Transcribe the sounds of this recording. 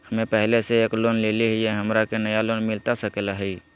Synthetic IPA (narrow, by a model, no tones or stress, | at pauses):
həmepəɦleseeːklonleliɦjeɦəmɾakenəjalonmilt̪asəkelaɦəi